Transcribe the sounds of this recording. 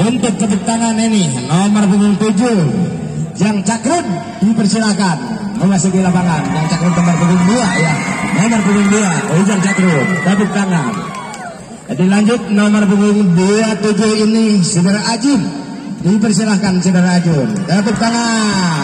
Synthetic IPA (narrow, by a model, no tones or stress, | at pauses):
ʔunt̪ʊk̚t̪abik̚t̪aŋaninɪhnomərpuŋʊŋt̪ud͡ʒu | d͡ʒaŋt͡ʃakɾʊn | dipərsilakanməmasukilapaŋand͡ʒaŋt͡ʃakɾʊnt̪ɔmarpuŋɡuŋduajanɔmɔrpuŋɡʊŋduaid͡ʒaŋt͡ʃakɾund̪abuk̚t̪aŋan | adilaɲd͡ʒʊt̪̚nomərpuŋʊŋduat̪ud͡ʒuinisədaɾaʔad͡ʒʊm | dipərsilakansədaɾaːd͡ʒumd̪ap̪uk̚t̪aŋa